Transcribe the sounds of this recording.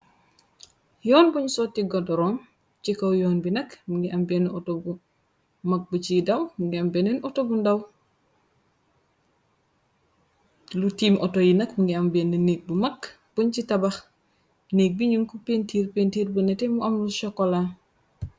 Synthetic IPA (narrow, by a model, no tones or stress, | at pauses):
jɔːnbuɲsɔtːiɡɔdɔɾɔːm | t͡ʃikowjɔːnbinɐkmuŋɡiʔambenɔtobu | mɐk̚but͡ʃidawmuŋɡiambenenɔtobundaw | lutiːmʔɔtojinɐkmuŋɡiambendinek̚bumɐk | b̥uɲt͡ʃitabax | nek̚biɲuŋkupentiːɾpeːntiːɾbunɛtemuʔɐmluʃɔkːɔla